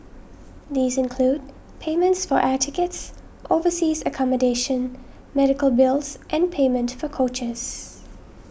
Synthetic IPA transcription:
ðiːzɪ̃nkʰl̥uːd̚ | pʰẽɪmə̃ntsfəɹʔætʰɪkəts | ʔoʊvəsiːzəkʰɑmədeɪʃə̃n | mɛɾɪkəlˠbɪlˠzʔɨ̃npʰẽɪmə̃ntfəkʰoʊt͡ʃəz̥

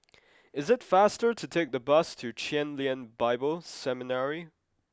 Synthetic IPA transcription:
ɨzɨtfæstə˞ɾɨtʰeɪk̚ðəbʌstʰɨt͡ʃʰɛ̃nliɨ̃nbaɪbl̩ˠsɛmɨnɛɹi

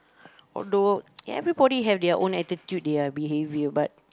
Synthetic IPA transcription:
ɔ̰ldoj̰ɛ̰vɹibɔɾiɦɛfdɛəʔõnɛtitjut̚deabiɦevjəbat̚

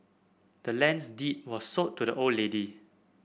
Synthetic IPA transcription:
d̥əlɛ̃nsdit̚wɔsːotːudəʔoledi

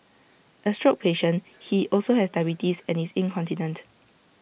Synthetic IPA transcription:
ʔəstɹok̚pʰeʃə̃nhiʔɔlsohɛsdaɪbitisɛ̃nhisĩnkʰɔ̃ntinə̃nt

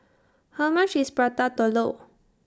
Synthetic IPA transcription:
hawmãt͡ʃispɹat̪at̪ɔlo

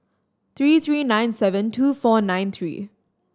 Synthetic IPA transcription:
t̪ʰɹiːt̪ʰɹiːnãɪ̃nsɛʋə̃nʈʰuːfɔːnãɪ̃nt̪ʰɹḭː

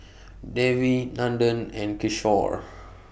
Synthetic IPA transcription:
dɛvinãndə̃nɛ̃nkiʃɔ̰ɹ

